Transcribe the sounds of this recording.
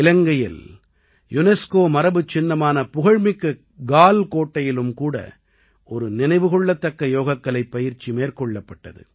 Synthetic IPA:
ɪlɐŋɡɐjɪ̰l | jʊnɛskoːmɐɾɐbɯt͡ʃːɪnːɐmaːnɐpʊɣɐɻmɪkːɐ | ɡaːlkoːʈːɐjɪlɯmkuːɽɐ̰ | ɔɾɯnɪnɐɪʋɯɣɔɭːɐt̪ːɐkːɐjoːɣɐkːɐɭɐɪpːɐjɪɾt͡ʃimeːrkɔɭːɐpːɐʈːɐ̰ðɯ̰

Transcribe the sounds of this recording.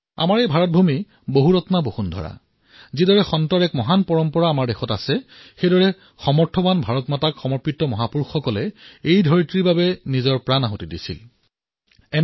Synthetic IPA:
a̰maɹejbʱaɹɔt̚bʱumi | boɦuɹɔtnabohundʱɔ̰ɹa̰ | zidɔɹɛxɔntɔɹɛkmɔɦanpɔɹɔmpɔɹaːmaɹdɛxɔtasɛxedɔɹɛ | xɔmɔɹtʰɔbanbʱaɹɔtmatakxɔmɔɹpitːɔmɔɦapuɹxɔkɔlɛejdʱɔɹitɹibabɛnizɔɹpɹanaɦotidḭsḭl | ɛ

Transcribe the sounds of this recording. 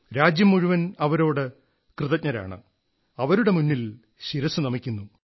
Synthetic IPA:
ɾaːd͡ʑjɐmːuɻuʋɐnɐʋɐɾo̞ːɽɨ | krɨðɐcɲɐɾa̰ːɳɨ̰ | ɐʋɐɾuɽe̞munːil | ɕiɾɐsunɐmikʲːunːu

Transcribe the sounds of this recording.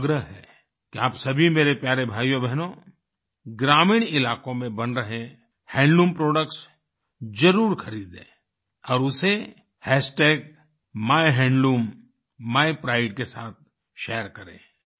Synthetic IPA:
ɡɾəɦɦɛ̰ː | kiaːpsɐbʱimeːɾepjaːɾebʱaːjobʱɛɦno | ɡɾaːmɪːɽ̃ɪlaːkõmẽbɐnɾɐɦẽ | hɛ̃ːɳɖuːmpɾoːɖəkʈs | d͡ʒɐɾuːɾxɐɾiːd̪ḛ̃ː | ɔːɾʊse | hɛːsʈeːk̚ | maːjɦɛ̃ːɳɖluːm | maːjpɾaːɪʈ̚kesaːt̪̚ | ʃɛːəɾkɐɾḛ̃ː

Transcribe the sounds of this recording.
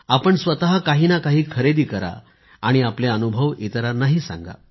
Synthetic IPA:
apəɳsʋət̪aɦakaɦiːnakaɦiːkʰəɾed̪iːkəɾa̰ | aɽ̃iapleənubʱəʋit̪ɾanaɦiːsã̰ŋɡa̰

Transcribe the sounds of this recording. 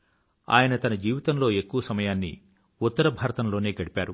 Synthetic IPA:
a̰ːjɐnɐt̪ɐnɐd͡ʒiːʋit̪ɐmlo̞ːe̞kːuʋɐsɐmɐjaːnːḭ | ut̪ːɐɾɐbʱaːɾɐt̪ɐnlo̞ːne̞ːɡɐɽipaːɾu

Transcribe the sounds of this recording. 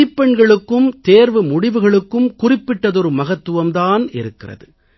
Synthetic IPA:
ɪpːɛɳɡɐɭɯkːɯmt̪eːɾʋɯmʊɽɪʋɯɣɐɭɯkːɯmkʊrɪpːɪʈːɐðɔɾɯmɐɣɐt̪ːɯʋɐmt̪aːnɪ̰ɾɯkːɪrɐ̰ðɯ

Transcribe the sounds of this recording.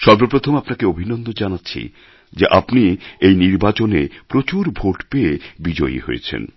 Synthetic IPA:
ʃɔɾbɾopɾot̪ʰomapnakeobʱinond̪od͡ʑanatːɕʰḭ | d͡ʑeʔapniejniɾbat͡ɕonepɾot͡ɕuɾbʱoʈpeebid͡ʑoiɦo̰jḛt͡ɕʰḛn

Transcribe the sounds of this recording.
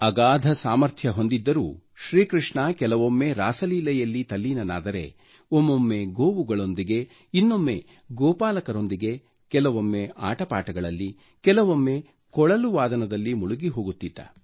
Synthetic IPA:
ɐɡaːd̪ʱɐsaːmɐɾt̪ʰjɐɦo̞nd̪id̪ːɐɾuː | ʃɾiːkɾiʂɳɐkɛlɐʋomːe̞ɾaːsɐliːlɐjɐlːit̪ɐlːiːnɐna̰ːd̪ɐɾe̞̰ | omːomːe̞ɡoːʋuɡɐɭo̞nd̪iɡe̞ | inːo̞mːe̞ | ɡɔːpaːlɐkɐɾo̞nd̪iɡe̞ | kɛlɐʋomːe̞ʔa̰ːʈɐpaːʈɐɡɐɭɐlːi | kɛlɐʋomːe̞ | kɔɭɐluʋaːd̪ɐnɐd̪ɐlːimuɭuɡiɦo̞ːɡut̪ːit̪ːɐ̰

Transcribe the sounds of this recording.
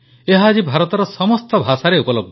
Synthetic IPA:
eɦaːd͡ʒibʱaɾɔt̪ɔɾɔsɔmɔst̪ɔbʱasaɾeupɔloɡ̚d̪

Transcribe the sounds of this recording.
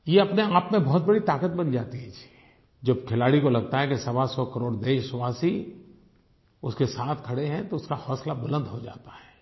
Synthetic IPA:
jeɐpneaːpmẽbɔɦt̪̚bɐɽit̪aːkət̪bɐnd͡ʒaːt̪iɦɛd͡ʒʰiɛ | d͡ʒɐbkʰɪlaːɽikolɐɡ̚t̪aɦɛkesɐbasɔkəɾoːɽd̪eːʃswaːsi | ʊskesaːt̪ʰkʰɐɽeɦɛ̃t̪oʊskahɔːslabʊlə̃nd̪ɦod͡ʒa̰ːt̪ḁɦɛː

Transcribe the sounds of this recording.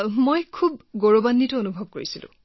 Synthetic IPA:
mojkʰubɡoɹobanːitɔonubʱɔb̚koɹisilʊ̰̃

